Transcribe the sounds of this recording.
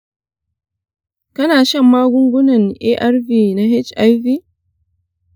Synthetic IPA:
kɐ˦naː˨ʃɐ˦˨mːaː˦ɡʷʊ˦ŋɡʷʊ˦nɐ˨ŋʔeː˦ʔa˦rɸiː˨na˦ɦɪ˦t͡ʃʔa˦jviː˦

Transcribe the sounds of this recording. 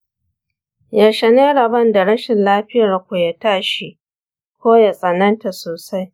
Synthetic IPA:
ja˨ʃɐ˨neː˦ɽɐ˨bɐ˦nda˨ɽɐ˦ʃɪ˨nlaː˦ɸɪ˦ja˨rkʷu˨ja˨taː˦ʃi˦ʔ | kʷoː˦ja˨sʼɐ˨nɐ˦nta˨soː˨sa˦j

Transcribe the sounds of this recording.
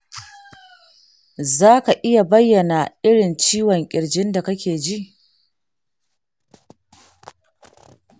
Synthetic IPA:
zaː˦ka˨ʔɪ˦ja˨bɐ˦jːɐ˨na˨ʔɪ˦ɽɪ˨nt͡ʃiː˦wɔ˨ŋkʲʼɪ˨ɽd͡ʒɪ˦nda˨kɐ˦kʲeː˨d͡ʒi˦ʔ

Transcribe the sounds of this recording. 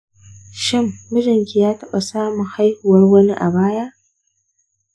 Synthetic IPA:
ʃɪ˦mːʊ˦d͡ʒɪ˨ŋkʲi˨jaː˦tɐ˦ɓa˨saː˦mʊ˨ŋha˦jhu˨wɐ˦rwɐ˦ni˦ʔa̰˨baː˦ja˦ʔ

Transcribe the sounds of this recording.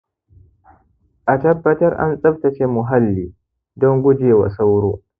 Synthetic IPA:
ʔa˨tɐ˦bːɐ˦tɐ˦rʔa̰˦nsʼɐ˦b̚tɐ˨t͡ʃe˦mʊ˨ɦa˦lːiː˨ | dɔ˦ŋɡʷʊ˦d͡ʒeː˨wa̰˨sa˦wɾoː˦

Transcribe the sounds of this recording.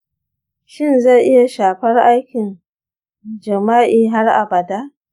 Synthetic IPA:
ʃɪ˦nza˦˨ʔɪ˦ja˨ʃaː˨ɸɐ˦rʔa˦jkʲɪ˨n | d͡ʒɐ˨maː˦ʔiː˨ɦa˦rʔa̰˨bɐ˨daː˦ʔ

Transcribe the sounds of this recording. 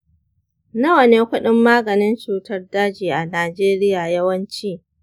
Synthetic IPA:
nɐ˦wɐ˨neː˦kʷʊ˦ɗɪ˦mːaː˦ɡɐ˨nɪ˦nt͡ʃuː˨tɐ˦rdaː˦d͡ʒiː˨ʔa˨naː˨d͡ʒeː˦ɾɪ˦jaː˨jɐ˦wɐ˦nt͡ʃiː˦

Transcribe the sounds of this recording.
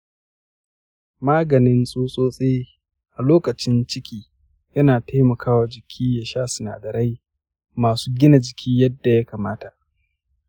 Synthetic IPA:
maː˦ɡɐ˨nɪ˦nsʼoː˦sʼoː˦sʼe˦ | ʔa˨loː˦kɐ˨t͡ʃɪ˦nt͡ʃɪ˦kʲiː˦ | jɐ˦naː˨ta˦jmɐ˨kʰaː˦waː˨d͡ʒɪ˨kʲʰiː˦ja˨ʃaː˦sɪ˨na̰ː˨dɐ˨ɾa˦j | maː˨suː˦ɡʲɪ˦na˨d͡ʒɪ˨kʰʲiː˦jɐ˦dːa˨ja˦kaː˨maː˦ta˨ʔ

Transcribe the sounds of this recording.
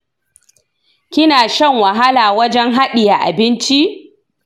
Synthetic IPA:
kʲɪ˦naː˨ʃɛ˦˨ŋwɐ˨ɦa˦laː˨wɐ˦d͡ʒɛ˦ŋɦa˦ɗɪ˨ja˨ʔa̰˨bɪ˦nt͡ʃi˦ʔ

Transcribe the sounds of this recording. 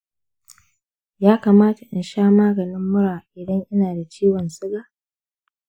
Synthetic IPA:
jaː˦kaː˨maː˦ta˨ʔɪ˨nʃaː˦maː˦ɡɐ˨nɪ˦mːʊ˦ɽaː˨ʔɪ˨dɐ˦ŋʔɪ˦naː˨da˨t͡ʃiː˦wɔ˨nsɪ˦ɡaː˨

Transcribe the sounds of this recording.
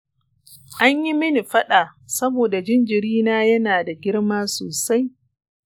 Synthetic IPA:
ʔa˦ɲji˦mɪ˦ni˨ɸɐ˦ɗaː˨sɐ˦boː˨da˨d͡ʒɪ˦nd͡ʒɪ˨ɾiː˦naː˦jɐ˦naː˨da˨ɡʲɪ˦ɽmaː˦soː˨sa˦j

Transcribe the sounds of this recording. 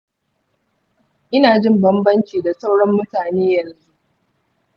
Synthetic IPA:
ʔɪ˦naː˨d͡ʒɪ˦mbɐ˦mbɐ˦nt͡ʃiː˨da˨sa˦wɽɐ˦mːʊ˦taː˨neː˦jɐ˨nzu˦ʔ

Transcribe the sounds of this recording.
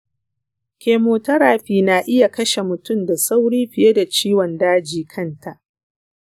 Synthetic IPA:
kʲeː˨moː˨tɐ˦ɾaː˨ɸiː˨na˨ʔɪ˦ja˨kɐ˦ʃe˨mʊ˨tʊ˦˨mda˨sa˦wɽiː˦ɸɪ˨je˦da˨t͡ʃiː˦wɔ˨ndaː˦d͡ʒiː˨kʰɐ˦˨ntʰa˨ʔ

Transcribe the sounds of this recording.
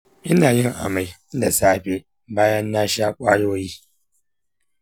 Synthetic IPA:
ʔɪ˦naː˨jɪ˦ŋʔa̰˨ma˨jda˨saː˦ɸe˦ | baː˦jɐ˦nːa˦ʃaː˦kʷa˦jo˦wji˦

